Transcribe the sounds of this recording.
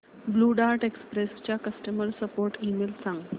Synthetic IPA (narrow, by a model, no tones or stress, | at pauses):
bluɖaɾʈekspɾest͡ɕjakəsʈəməɾsəpoɾʈimelsãŋɡ